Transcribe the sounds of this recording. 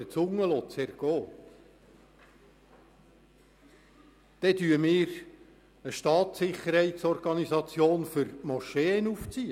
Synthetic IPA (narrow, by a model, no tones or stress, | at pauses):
ət͡sʊŋːəlɔtt͡sɛɾɡ̥ɔː | d̥ɛt̪yːəmɪːɾ | əʃtɑːtsɪχəɾhɛɪtsɔrɡ̥ɑnizɑt͡sjoːnfʏɾmɔʃeːnuft͡siə